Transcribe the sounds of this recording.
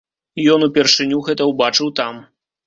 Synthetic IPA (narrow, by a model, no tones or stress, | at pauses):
ijɔnupʲɛrʂɨnʲuɣɛt̪ɐwbat͡ʂɨwt̪am